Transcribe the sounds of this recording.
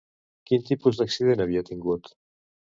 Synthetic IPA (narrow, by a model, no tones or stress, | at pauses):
kint̪ipuzd̪aksið̞enaβ̞iat̪iŋɡut̪